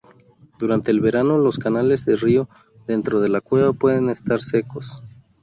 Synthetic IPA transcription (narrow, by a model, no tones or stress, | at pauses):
d̪̥uɾant̪e̞ːlβe̞ɾano̞lo̞skanale̞zðerio̞ | ðe̞nt̪ɾo̞ð̞e̞lakwe̞βapwe̞ðe̞ne̞st̪aɾse̞ko̞s